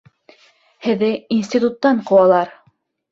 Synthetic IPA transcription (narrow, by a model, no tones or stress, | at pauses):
hɘ̆ðɘinsʲt̪ʲit̪ut̪ːɑɴqŏwɑlˠɑɾ